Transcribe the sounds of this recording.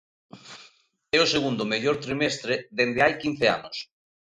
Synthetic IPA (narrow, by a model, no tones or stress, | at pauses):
ɛʊseɣund̪ʊmeʎoɾt̪ɾimɛst̪ɾeðend̪ɪajkin̟θea̰nʊs